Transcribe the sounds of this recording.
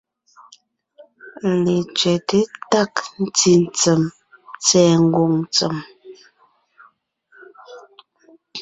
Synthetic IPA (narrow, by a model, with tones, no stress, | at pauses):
le˨t͡ʃɥɛ˨te˦ta˦˨kn̩˦ti˦n̩˨t͡sə˨m | t͡sɛː˨ŋ˦ɡo˨ŋt͡sə̰˨m